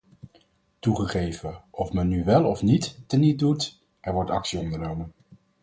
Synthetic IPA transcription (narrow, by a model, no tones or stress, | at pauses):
tuχəχejvəʔɔfmɛnːyʋɛlˠɔfnitːənidut | ʔɛɹʋɔɹtɑksiɔndəɹnowmən